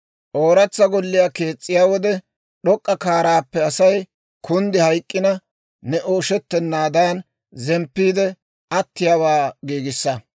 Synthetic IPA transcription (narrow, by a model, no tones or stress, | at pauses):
ʔoːɾɐt͡sːɐɡɔlːɪjaːke̞ːt͡sʼːɪjaːwɔd̪ɛ | ɗɔkʼːɐkaːɾaːpːɛɐsɐj | kʰʊnd̪ɪhɐjkʼːɪnɐ | nɛʔoːʃɛt̪ːɛnːaːd̪aːn | zɛmpːiːd̪ɛ | ɐt̪ːɪjaːwaːɡiːɡɪsːɐ